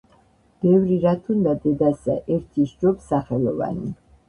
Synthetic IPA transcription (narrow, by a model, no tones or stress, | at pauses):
b̥ɛvɾiɾat̪ʰund̪ad̪ɛd̪asa̰ʔɛɾt̪ʰiʃd͡ʒɔpsaχɛlˠɔva̰ni